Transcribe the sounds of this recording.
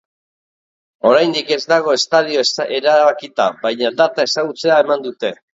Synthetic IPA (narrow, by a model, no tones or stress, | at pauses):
o̞ɾajnd̪ike̞zd̪aɣ̞o̞e̞st̪aðioeɾaβakit̪aβajɲad̪at̪ae̞saɣut͡se̞ae̞mand̪ut̪e̞